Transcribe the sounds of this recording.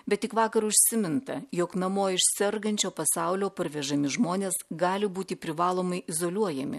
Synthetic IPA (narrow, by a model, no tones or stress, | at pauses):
bʲɛt̪̚tʲɪkʋɑːkɐɾʊʃʲsʲɪmʲɪnt̪ɐjoːknɐmoːɪʃʲsʲɛɾɡɐnʲt͡ʃʲoːpɐsɑˑʊlʲoːpɐɾʲʋʲɛʒɐmʲɪʒmoːnʲeːsɡɑːlʲɪbuːt̪ʲɪpʲɾʲɪʋɑːlˠoːmɐɪʔɪzoːlʲuɔjɛmʲɪ̰